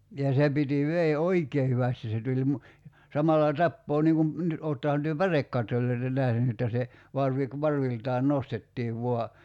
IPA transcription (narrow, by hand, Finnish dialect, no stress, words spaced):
jɑ se piti ʋeː oikeː hyʋæsti se tulʲ mu sɑmɑlːɑ tɑpːoː niŋ kum ni oːtːɑhɑn tyø pærekːɑtːolˑoi̞tɑ næhny etːæ se ʋɑrʋi ku ʋɑrʋiltɑːn nostetːiːʋ ʋuɑ